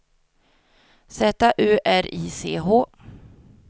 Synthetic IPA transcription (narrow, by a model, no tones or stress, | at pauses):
sɛːt̪aʔʉːʔæɾiːseːɦoː